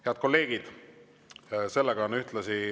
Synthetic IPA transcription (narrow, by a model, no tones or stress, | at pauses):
heɑt̪̚ko̞lːe̞ːɡ̥id̪̥ | se̞lːeɡ̥ɑonyht̪lɑsi